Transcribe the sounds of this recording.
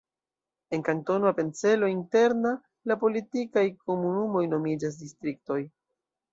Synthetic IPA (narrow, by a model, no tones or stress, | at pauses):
e̞nkanto̞nape̞nt͡se̞lo̞inte̞ɾna | lapo̞litikajko̞munumo̞jno̞mid͡ʒas̬distɾik̚to̞j